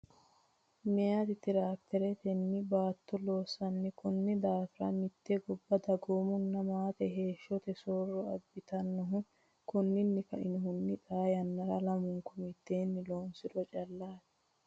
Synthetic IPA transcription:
mɪjaːt̪ɪt̪ɪɾaːk̚t̪ʰːɛɾɛt̪ɛnːɪbaːt̪ːɔloːsɐnːɪkʊnːɪd̪aːfɪɾɐ̰mɪt̪ːeɡɔbːɐd̪ɐɡoːmʊnːɐmaːt̪ɛɦe̞ːʃːɔt̪ɛsoːrːɔɐbːɪt̪ɐnːɔɦʊ | kʊnːɪnːɪkɐʔɪnɔɦʊnːɪᶑaːjɐnːɐɾɐlɐmʊŋkʊmɪt̪ːeːnːɪloːnsɪd̪ɔt͡ʃʼɐlːaːt̪ɛ̥

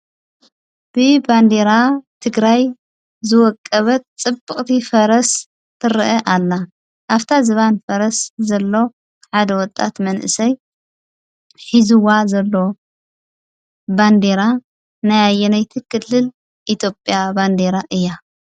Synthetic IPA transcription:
b̥ɨband̪eɾat̪ʰɨɡɾaj | zɨwɔkʼːɐβɐt̪̚t͡sʼɨbɨχʼt̪ʰifɐɾɐs | t̪ʰɨɾɨʔɐʔalːa | ʔaft̪ʰazɨβanfɐɾɐszɐlːo̞ | ħad̪ɐwɔt̪ʼa̰t̪mɐnʔɨ̰sɐj | ħizuwazɐlːo̞ | band̪eɾa | najajːɛnajt̪ʰɨkʰɨlːɨl | ʔit̪ʰjo̞pʼjaband̪eɾaʔɨjːa

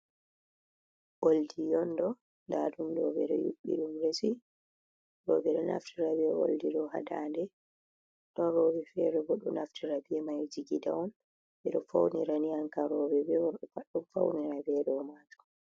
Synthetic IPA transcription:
ʔoldijɔndɔ | ndadumdɔbɛɗɔ̰jṵɓːḭɗumɾesi | ɗɔbɛɗɔnʔa̰ftʰiɾabiɛo̰ldiɗɔha̰dandɛ | ɗɔnɾɔbɛfɛɗɔbɔɗɔnaftiɾabiɛmajd͡ʒiɡidawɔn | ɓɛɗɔfa̰wniɾaniaŋkaɾɔbɛbɛwɔɗɔfaɗɔmfawniɾabɛɗɔmad͡ʒɔ̥

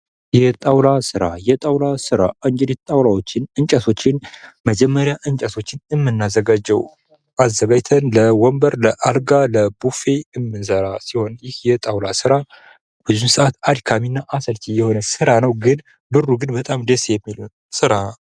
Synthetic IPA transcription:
jɛt̪ʼawlasɨɾajɛt̪ʼawlasɨɾa̰ʔɨŋd͡ʒɛdit̪t̪ʼawlawo̞t͡ʃːɪnɨnt͡ʃʼasʰo̞t͡ʃːɪnməd͡ʒɛmːəɾjaʔɨnt͡ʃʼəso̞t͡ʃːɪnɨmːɨnːazəɡad͡ʒːɛw | ʔazːəɡajt̪ʰənləwɔmbəɾləʔaɾɡaləbufe̞ɨmːɨnsəɾasiho̞njɪhjɛt̪ʼawlasɨɾa | b̥ɨzumsɨʔat̪ad̪kʰaminːaʔasəlt͡ʃ̪ʰijɛho̞nəsɨɾanəwɡɨn | bɨrːuɡɨnbət̪ʼamd̪esejɛmːilun | sɨɾa

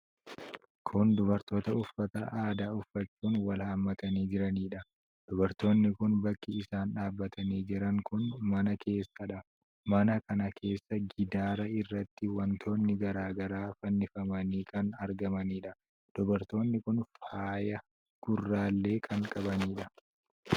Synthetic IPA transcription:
kʰʊnd̪ʊbɐɾt̪o̞ːt̪ɐʊfːɐt̪ɐ̰ʔaːd̪aːʊfːɐt͡ʃːuːnwɐlhɐmːɐt̪ɐniːd͡ʒɪɾɐniːᶑɐ | d̪̥ʊbɐɾt̪o̞ːnːɪkʊnbɐkːɪɪsaːnᶑaːbːɐt̪ʰɐniːd͡ʒɪɾɐŋkʊnmɐnɐkʰe̞ːsːɐᶑɐ | mɐnɐkɐnɐkʰe̞ːsːɐɡɪd̪aːɾɐɪrːɐt̪ːɪwɐnt̪ʰo̞ːnːɪɡɐɾaːɡɐɾaːfɐnːɪfɐmɐniːkɐnɐɾɡɐmɐniːᶑɐ | d̪̥ɔbɐɾt̪o̞ːnːɪkʊnfaːjɐ | ɡ̥ʊrːaːlːe̞ːkʰɐŋkʼɐbɐniːᶑɐ

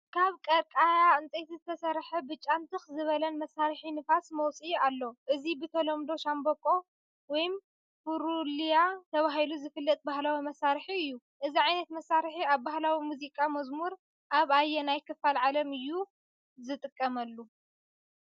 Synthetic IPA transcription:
kʰaβkʼɐɾkʼajaɨnt͡sʼejt̪zɨt̪ʰɐsɐɾħɐbɨt͡ʃʼːant̪ʰɨxzɨβɐlɐnmɐsaɾħinɨfasmɐwt͡sʼialːoʔɨzibɨt̪ʰɐlomd̪o̞ʃambokʼo̞ | wɔjm | fuɾulijat̪ʰɐβaɦiluzɨfɨlːɐt̪̚ʼbahlawimɐsaɾħiɨjːu | ʔɨziʕajnɐt̪mɐsːaɾħiaβbahlawimuzikʼamɐzmuɾ | ʔaβajːɛnajkʰɨfːalʕalɐmɨjːu | zɨt̪ʼɨkʼːɐmɐlːu

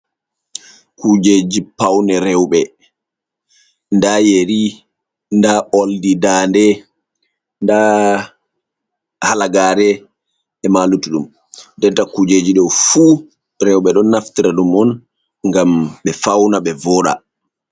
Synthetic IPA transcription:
kud͡ʒed͡ʒipawnɛɾɛwɓɛ | ndajeɾi | ndaʔoldidaːndɛ | nda | halaɡaːɾɛ | ɛmalutuɗum | dɛtːakud͡ʒed͡ʒiɗɔwfu | ɾɛwɓɛɗɔnːaftiɾaɗumɔn | ŋɡamɓɛfawnaɓɛvɔɗa̰

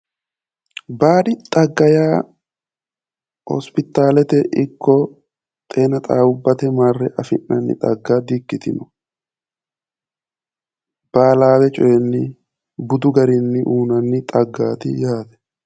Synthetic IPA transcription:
baːd̪ɪt̪ʼɐɡːɐjaː | hɔ̰spɪt̪ːaːlɛt̪ɛʔɪkːɔ | t̪ʼe̞ːnɐt̪ʼaːʊbːɐt̪ɛmarːɛʔɐfɪnːɐnːɪ̰t̪ʼɐɡːaːd̪ɪkːɪt̪ɪnʊ | b̥aːlaːbɛt͡ʃʼɔjɛnːɪ | bʊd̪ʊɡɐɾɪnːɪʔuːnɐnːɪt̪ʼɐɡːaːt̪ɪjaːd̪ɛ̥

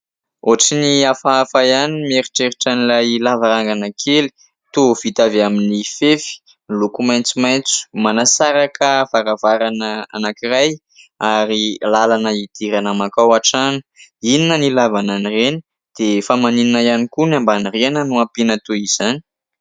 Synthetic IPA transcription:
oʈ͡ʂiniafaafajanimeɾiʈ͡ʂeɾiʈ͡ʂanilajlavaɾaŋɡanakʰeli̥ | t̪uv̥it̪aveaminifefi̥ | ilukumajnt͡sumajnt͡su̥manasaɾakʰəvaɾavaɾanəa̰nakiɾaj | aɾilalanəid̪̥iɾanəmakawaʈ͡ʂanu̥ininənilavananireni | d̪̥efamanininajanikunambanirenənuapinət̪uiz̥ani̥

